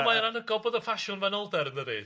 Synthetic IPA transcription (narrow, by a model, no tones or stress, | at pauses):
majəɾanəɡɔbɔðəfaʃʊnvɛnɔlˠdɛɾəndəði